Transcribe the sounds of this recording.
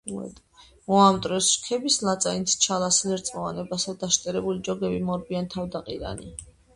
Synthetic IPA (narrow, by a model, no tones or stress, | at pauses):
mɔamt̪ʼɾɛsʃkʰɛbislat̪sʼaint̪st͡ʃʰalaslɛɾt̪sʼɔvanɛbasad̪aʃt̪ʼɛɾɛbulid͡ʒɔɡɛbimɔɾbiant̪ʰavd̪aqʼiɾa̰nḭ